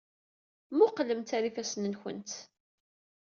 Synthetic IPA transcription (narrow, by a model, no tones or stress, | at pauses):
muqːələmt̪aɾifæsənənçə̰nt̪